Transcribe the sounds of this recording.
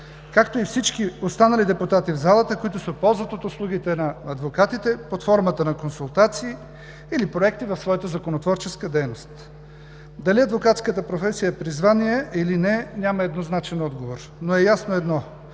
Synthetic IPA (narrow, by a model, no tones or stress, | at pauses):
kakt̪oifsit͡ʃkiost̪anɐlid̪ɛput̪at̪ivzalˠət̪əkoit̪ʊsɛopɔlˠzvɐt̪ot̪ʊslˠuɡ̟ʲit̪ɛnɐɐd̪vokat̪it̪ɛpot̪fɔɾmət̪ənɐkonsulˠt̪at̪siː | ilipɾoɛk̚t̪ivɐfsvɔjət̪əzɐkonot̪vɔɾt͡ʃɛskəd̪ɛjnost̪ | d̪ɐliɐd̪vokat̪skət̪əpɾofɛsijəɛpɾizvaniɛʔilinɛnʲaməɛd̪noznat͡ʃɛnɔd̪ɡovoɾ | noɛjasnoɛd̪nɔ